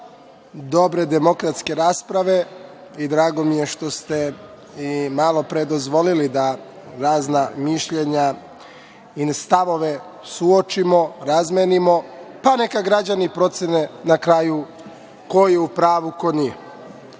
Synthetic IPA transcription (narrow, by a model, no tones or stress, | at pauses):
d̪o̞bɾe̞d̪emo̞kɾat̪ske̞ɾaːspɾaʋe̞ | id̪ɾaːɡo̞mije̞ʃt̪o̞st̪e̞ | imalˠo̞pɾed̪o̞zʋo̞lilid̪a | ɾaːznamiʃʎe̞ɲa | inst̪aʋo̞ʋe̞ | suot͡ʃimo̞ɾazmenimo̞panekaɡɾad͡ʑanipɾo̞t̪senenakɾaːju | ko̞jeupɾaːʋuko̞ni